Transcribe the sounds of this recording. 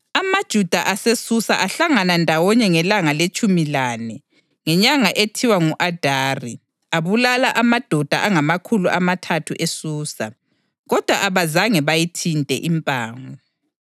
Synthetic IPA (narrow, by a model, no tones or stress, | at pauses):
amad̥ʒ̥ʱud̥ʱaʔasesusaʔaɬaŋanandʱawɔɲɛŋɛlaŋalet͡ʃʼumilaːnɛ | ŋɛɲaŋaʔetʰiwaŋuʔad̥ʱaːri | aβulalaʔamad̥ʱɔd̥ʱa̰ʔaŋamakʰuluʔamatʰatʰuʔesuːsa | ɣɔd̥ʱwaʔaβazaŋɛβajitʰintʼɛ̰ʔimpʼaːŋɔ